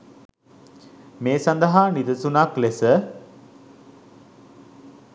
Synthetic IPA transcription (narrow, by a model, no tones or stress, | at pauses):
meːsand̪əɦaːnid̪əsunaklesə